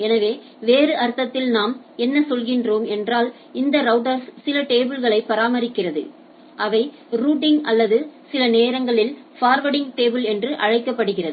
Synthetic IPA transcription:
ɛnɐʋeː | ʋeːrɯʔɐɾt̪ːɐt̪ːɪlnaːm | ɛnːɐsɔlɣɪndroːmɛndraːl | ɪnd̪ɐɾɐʊʈ̬ɐɾsːɪlɐʈeːbɪlɣɐɭɐɪpːɐɾaːmɐɾɪkːɪrɐðɯ̰ | ʔɐʋɐɪ | ɾuːʈːɪŋʔɐlːɐðɯsɪlɐneːɾɐŋɡɐɭɪlfaːɾʋɐɽɪŋɡʈeːbɯlɛndrɯʔɐɻɐɪkːɐpːɐɽɯɣɪrɐðɯ

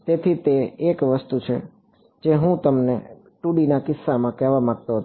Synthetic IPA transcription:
t̪et̪ʰit̪eːkʋəst̪ut͡ʃʰe | d͡ʒeɦũt̪əmne | ʈuɽinakɪsːamãkɛɦʋamaɡ̚t̪oɦət̪

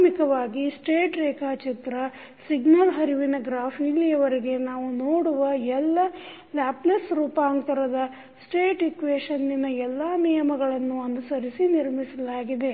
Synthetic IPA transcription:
mikɐʋaːɡisʈeːʈɾɛːkaːt͡ʃit̪ɾɐ | siɡnɐlɦɐɾiʋinɐɡɾaːpʰilijɐʋɐɾiɡe̞naːʋunoːɽuʋɐɛlːɐ | laːplesɾuːpaːŋt̪ɐɾɐd̪ɐ | sʈeːʈikʋeːʂɐnːinɐɛlːaːnijɐmɐɡɐɭɐnːuɐndusɐɾisiniɾmisɐlaːɡid̪e̞

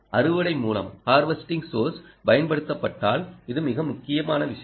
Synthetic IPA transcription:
ʔɐrɯʋɐɽɐɪmuːlɐ̰mhaːɾʋɐsʈɪŋɡsoːɾspɐjɐnpɐɽɯt̪ːɐpːɐʈːaːlɪðɯmɪɣɐmʊkːɪjɐmaːnɐʋɪʂɐj

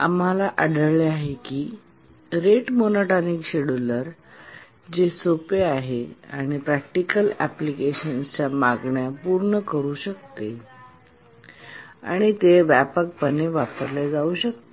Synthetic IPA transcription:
a̰m̤alaʔəɽəɭleaɦekiː | ɾeʈmonoʈanikɕeɽuləɾ | d͡ʑesopeaɦeaɽ̃ipɾæk̚ʈikəlæplikeɕənst͡ɕamaɡɳjapuɾɳəkəɾuːɕəkt̪e | a̰ɽ̃it̪eʋæpək̚pəneʋapəɾlad͡zauːɕək̚t̪e

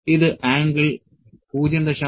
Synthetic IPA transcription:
iðɨʔaːŋɡɐɭ | puːd͡ʑɐnd̪ɐɕɐ

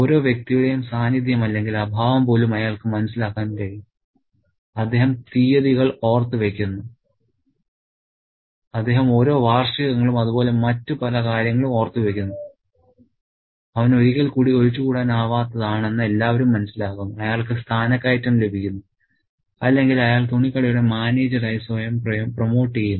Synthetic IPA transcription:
o̞ːɾo̞ːʋjek̚t̪ijuɽe̞jumsaːnid̪̬jɐmɐlːe̞ŋɡilɐbʱaːʋɐmpo̞ːlumɐjaːɭkɨmɐnɐsːilaːkːaːnkɐɻi | ɐd̪ːe̞ːɦɐmt̪iːjɐðiɣɐɭo̞ːrt̪ːɨʋe̞kʲːunːu | ɐd̪ːe̞ːɦɐmo̞ːɾo̞ːʋaːrʂɐɣɐŋːɐɭumɐðubo̞ːle̞mɐtːɨpɐlɐkaːɾjɐŋːɐɭumo̞ːrt̪ːɨʋe̞kʲːunːu | ɐʋɐnoɾikːɐlkuːɽioɻit͡ɕːukuːɽaːnaːʋaːt̪ːɐðaːɳe̞nːɨe̞lːaːʋɐɾumːɐnɐsːilaːɣunːuɐjaːɭkɨst̪ʰaːnɐkʲːaːjitːɐmle̞bʱikʲːunːu | ɐlːe̞ŋɡilɐjaːɭt̪uɳikːɐɭɐjuɽe̞maːne̞ːd͡ʑɐraːjisojɐmpromo̞ːʈːiejunːu

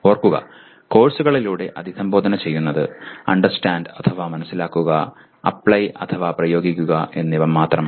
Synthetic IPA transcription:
oːrkːuɣɐ̰ | ko̞ːrsuɣɐɭiluːɽe̞ʔɐd̪ʱisɐmbo̞ːd̪ʱɐnɐt͡ɕe̞jːunːɐðɨ̰ɐ̰ɳɖɐrsʈaːɳɖɐt̪ʰɐʋamɐnɐsːilaːkːuɣɐ | ɐ̰pɭɐjʔɐt̪ʰɐʋaːprɐjo̞ːɡikʲːuɣɐʔe̞nːiʋɐmːaːt̪rɐm

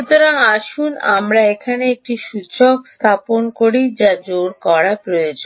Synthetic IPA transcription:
ut̪oɾaŋaʃuna̰mɾaekʰaneek̚ʈiʃut͡ɕokst̪ʰaponkoɾid͡ʑad͡ʑoɾkɔɾapɾojod͡ʑo

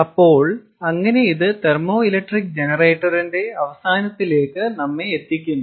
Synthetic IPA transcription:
ɐpːo̞ːɭ | ɐŋːɐne̞iðɨt̪ermo̞ːilɐk̚ʈrik̚d͡ʑe̞nɐre̞ːʈːɐrinde̞ɐʋɐsaːnɐt̪ːile̞ːkːɨnɐmːeːt̪ːikʲːunːu

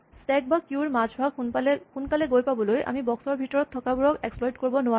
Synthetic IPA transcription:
sɛk̚bakjuɹmad͡ʒʱbʱaklxunkalɛɡojpabɔlojʔa̰mibɔksɔɹbʱitɔɹɔt̪ʰːɔkabuɹɔkɛksplɔjdkoɹibɔnʊwa

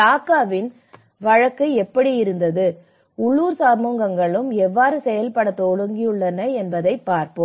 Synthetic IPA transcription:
aːkːaːʋɪn | ʋɐɻɐkːɐɛpːɐɽijɪɾɯnd̪ɐðɯ | ʊɭːuːɾsaːmuːŋɡɐŋɡɐɭɯmɛʋːaːɾɯsɛjɐlpɐɽɐt̪ːoɻɯŋɡɪjɯɭːɐnɐɛnbɐðɐɪpːaːɾpɯm

